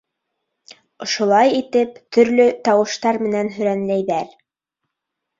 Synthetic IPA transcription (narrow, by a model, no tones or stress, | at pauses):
ŏʃŏlˠɑjit̪ɘpt̪ɵ̆ɾlɵt̪ɑwɤ̆ʃt̪ɑɾmɘ̆nænɦɵ̆ɾænlæjðæɾ